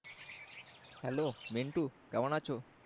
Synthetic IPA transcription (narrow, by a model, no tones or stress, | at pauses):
hɛ̰lomeɳʈukɛwanat͡ɕʰo